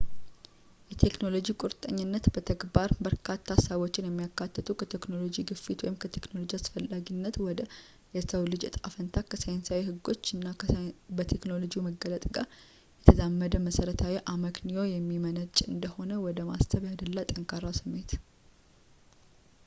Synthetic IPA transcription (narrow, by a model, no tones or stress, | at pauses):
jɛt̪ʰe̞kno̞lo̞d͡ʒikʼuɾt̪ʼə̰ɲːɪnːət̪b̥ət̪ʰəɡbaɾbəɾkʰat̪ʰːasəβot͡ʃːɪnjɛmːijakːat̪ːət̪ʰukʰət̪ʰe̞kno̞lo̞d͡ʒiɡɨfit̪wɔjɪmkʰət̪ʰe̞kno̞lo̞d͡ʒiasfəlːaɡinːət̪wɔd̪ə | jɛsəwlɨd͡ʒ̰t̪ʼafənt̪ʰakʰəsajnsawihɨɡːo̞t͡ʃːɨnːabət̪ʰe̞kno̞lo̞d͡ʒijuməɡːələt̪ʼɡaɾ | jɛt̪ʰəzamːəd̪əməsəɾət̪ʰawiʔaməknijo̞jɛmːimənət͡ʃʼɨnd̪əho̞nəwɔd̪əmast̪ʰəβjad̪əlːat̪ʼəŋkʰʼaɾawsɨmːe̞t̪